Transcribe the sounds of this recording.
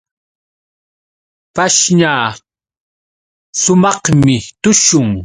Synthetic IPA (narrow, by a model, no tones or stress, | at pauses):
paʃɲaː | sʊmɑχmɪt̪ʊʃʊŋ